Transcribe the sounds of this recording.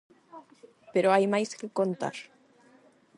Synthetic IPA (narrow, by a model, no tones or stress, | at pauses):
peɾoajmajskekont̪a̰ɾ